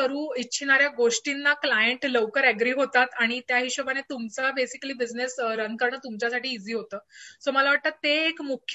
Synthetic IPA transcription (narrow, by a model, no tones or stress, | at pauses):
əɾuːitːɕʰinaɾjaɡoʂʈinːaklajəɳʈləʋkəɾæɡɾiːɦot̪at̪aɽ̃it̪jaɦiːɕəʋanet̪umt͡sabesikliːbid͡znesɾəŋɡkəɾɳət̪umt͡ɕjasaʈiːd͡ziːɦot̪əːsoməlaʋaʈ̚t̪at̪ːeːkmukʰj